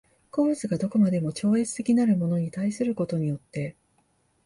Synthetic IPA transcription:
ko̞zɨɡad̪o̞ko̞mad̪e̞mo̞t͡ɕo̞ːe̞t͡sɨ̥t̪e̞kʲinaɾɯ̟mo̞no̞ɲ̟it̪aisɨɾɯ̟ko̞t̪o̞ɲ̟ijo̞t̪ːe̞

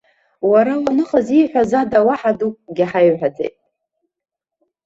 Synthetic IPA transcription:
waɾawanɨχəziħʷᶣazadawaħadukʼɡʲaħajħʷᶣad͡zḛjtʼ

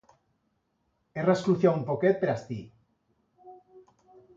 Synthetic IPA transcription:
eraskluθjaumpoket̪̚peɾast̪i

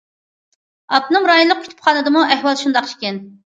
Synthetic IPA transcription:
ɑp̚nɨŋɾɑːjunlˠːəq̚kʰʲy̥t̪ʰy̥pχʰɑːnɨd̪ɨmuʔæhwɑlˠʃund̪ɑqi̥ʃkʲɛn

